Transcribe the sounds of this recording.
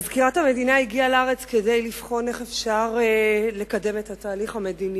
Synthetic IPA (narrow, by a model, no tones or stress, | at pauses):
zkiʁathame̞dinaiɡialaaʁe̞t͡skede̞jlifχo̞ne̞χe̞fʃaʁle̞kade̞methataːliχhame̞dini